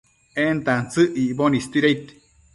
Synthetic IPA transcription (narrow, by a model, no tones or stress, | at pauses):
ent̪ant͡sɨʔiʔbonist̪iɾeit̪i̥